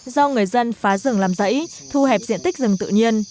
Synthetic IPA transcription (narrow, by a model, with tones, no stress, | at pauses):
zɔ˧ŋɨ˨˩əjzə˧nfaː˨˦zɨ̰˧˩əŋlaː˨˩mzə̰˧˥j | t̪ʰu˧hɛ˨˩p̚zḭ˧˨ənt̪ï˦˥k̟̚zɨ˨˩ŋt̪ɨ̰˧˨ɲi˧ən